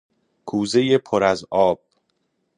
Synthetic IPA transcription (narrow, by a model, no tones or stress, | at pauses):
kʰuːze̞jepʰoɾæzɒːb̥̚